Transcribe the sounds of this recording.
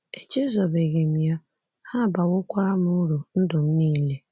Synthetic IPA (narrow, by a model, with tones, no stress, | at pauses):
e˨t͡ʃe˦zɔ˨be˨ɣe˨mi˨a˦ | ha˦˨ba˨wʊ˦kʷa˦ɾa˦m˦ʊ˦ɾu˨n̩˦dʊ˨m̩˦niː˦le˦